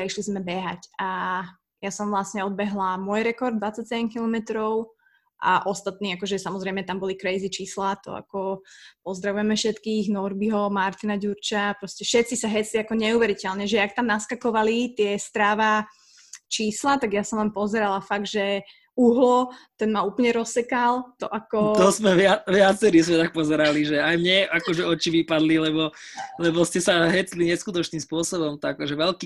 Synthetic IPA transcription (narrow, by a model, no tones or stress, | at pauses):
ɾɛʃlizmɛbɛɦaca | jasɔmʋlasɲɛɔd̪̚bɛɦlamʊɔjɾɛkɔɾd̪d̪ʋat͡sacsɛɟɛmkilɔmɛt̪ɾɔʊ | ʔa̰ʔɔst̪at̪niːakɔʒɛsamɔzɾɛjmɛt̪ambɔlikɾɛjzit͡ʃiːslat̪ɔ̰a̰kɔpɔzd̪ɾaʋujɛmɛfʃɛt̪kiːɣnɔɾbiɦɔmaɾt̪inaɟuɾt͡ʃapɾɔscɛfʃɛt̪t͡sisaɦɛt͡siakɔɲɛuʋɛɾicɛlɲɛʒɛak̚t̪amnaskakɔʋalit̪ɪɛst̪ɾaːʋa | t͡ʃiːslat̪aɡjasɔmʋampɔzɛɾalafaɡd̪ʒɛ | uɦlɔt̪ɛnmauːplɲɛɾɔsɛkalt̪ɔʔakɔt̪ɔzmɛʋɪaʋɪat͡sɛɾizmɛt̪ak̚pɔzɛɾaliʒɛajmɲɛʔakɔʒɛɔt͡ʃiʋipad̪lilɛbɔlɛbɔscɛsaɦɛt͡sliɲɛskut̪ɔt͡ʃniːmspʊɔsɔbɔmt̪akɔʒɛʋɛlki